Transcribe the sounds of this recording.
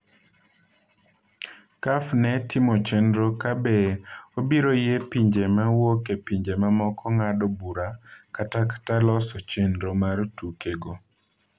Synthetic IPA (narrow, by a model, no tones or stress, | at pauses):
kafnɛtɪmɔt͡ʃendɾokabeobiɾojepiɲd͡ʒemawokepiɲd͡ʒemamɔkɔŋadɔbuɾakataktalɔsɔt͡ʃendɾomartukeɡo